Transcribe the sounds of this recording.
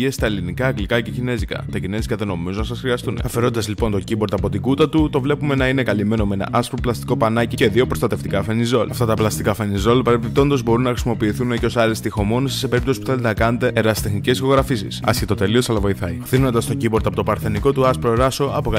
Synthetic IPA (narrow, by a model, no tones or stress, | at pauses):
iest̪ɐelinikɐːɡlikɐce̞cine̞zikɐ̰t̪ɐcine̞zikɐðe̞no̞mizonɐsɐsxɾiɐst̪un̰ɐfeɾo̞t̪id̪ɐzlipo̞nt̪o̞cibo̞ɾt̪ɐpo̞t̪iɡut̪ɐt̪ut̪o̞vle̞pume̞nɐine̞kɐlime̞no̞me̞nɐ̰ʔɐspɾoplɐst̪i̥ko̞pɐnɐcice̞ðio̞pɾo̞st̪ɐt̪e̞ft̪ikɐfenizo̞lɐft̪ɐt̪ɐplɐst̪ikɐfenizo̞lpɐɾepip̚t̪o̞nd̪o̞zbo̞ɾunːɐxɾisimo̞piːθuneceosɐlest̪ixo̞mo̞nosi̥sepe̞ɾip̚t̪o̞si̥puθelt̪enɐkɐnet̪e̞eɾɐsst̪exnice̞sço̞ɣɾɐfisḭsɐ̰sçet̪o̞t̪e̞lio̞sɐlɐvo̞iθɐiθiɣno̞nd̪ɐst̪o̞ciboɾt̪ɐpo̞t̪opɐɾθeniko̞t̪uɐspɾoɾɐso̞ʔɐpok